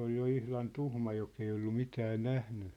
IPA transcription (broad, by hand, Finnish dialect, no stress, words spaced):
ol jo ihlɑn tuhmɑ jok ei olːu mitæː næhny